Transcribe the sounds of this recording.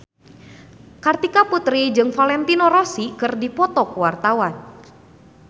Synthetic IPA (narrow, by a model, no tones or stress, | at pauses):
kart̪ikaput̪ɾid͡ʒɨŋfalɛnt̪inoɾɔsikərdipɔt̪ɔkəwart̪awan